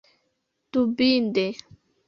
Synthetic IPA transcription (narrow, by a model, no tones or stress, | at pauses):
t̪ubind̪e